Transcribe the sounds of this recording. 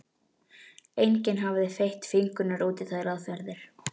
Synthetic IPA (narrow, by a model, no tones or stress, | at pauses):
ejncɪnɦaːvɪðɪfejht̪fɪŋkʏnʏɾuːt̪ɪθaðɪɾaðfɛɾðɪɾ̥